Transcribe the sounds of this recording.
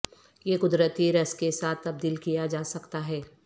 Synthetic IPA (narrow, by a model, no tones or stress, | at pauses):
jeːkʊd̪ɾət̪iɾɐskesaːt̪ʰːɐb̚d̪iːlkijad͡ʒaːsɐkt̪aɦɛː